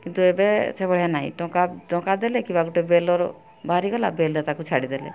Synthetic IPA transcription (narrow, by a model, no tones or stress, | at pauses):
kint̪uebesebɔɽjanaɦḭʈɔ̃kaʈɔ̃kad̪elekibaɡuʈebelɔɾ | baɾiɡɔla̰belet̪akut͡ʃʰaɽid̪elḛ